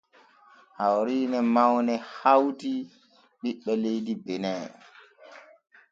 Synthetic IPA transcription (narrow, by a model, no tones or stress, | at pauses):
hawɾiːnɛmawnɛhawti | ɓiɓːɛlejdibɛnɛ